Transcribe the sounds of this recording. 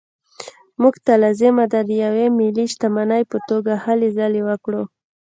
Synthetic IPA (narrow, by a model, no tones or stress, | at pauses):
muɡt̪alazɪmad̪ad̪əjawemiliʃt̪amanajpət̪oɡahalezalewəkɽo